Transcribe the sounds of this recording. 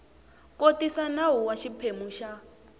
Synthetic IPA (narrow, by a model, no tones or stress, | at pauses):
kotisanaɦuwaʃipʰemuʃa